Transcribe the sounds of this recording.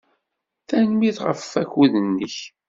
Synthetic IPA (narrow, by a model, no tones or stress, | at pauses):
θænmiθʁə̰fːæçuðənːəç